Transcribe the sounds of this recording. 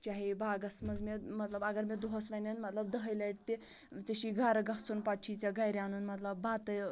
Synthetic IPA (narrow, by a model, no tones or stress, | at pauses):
t͡ɕaɦibaɡəsməd͡zmemət̪ləbɐɡəɾmed̪oɦəsʋananmət̪ləb̚d̪əɦəjlaiʈt̪e | t͡səɕiɡʱaɾɡaɦt͡sunpaʈʰit͡saɡajɾjanuːnmət̪ləbːat̪ə